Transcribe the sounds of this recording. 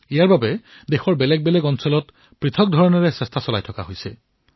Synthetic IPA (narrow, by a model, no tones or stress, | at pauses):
ijaɹbabɛ | dexɔɹbɛlɛɡ̚bɛlɛɡɔnsɔlɔt | pɹitʰɔk̚dʱɔɹɔnɔɹɛsɛstʰasɔlajtʰɔka̰ɦojsɛ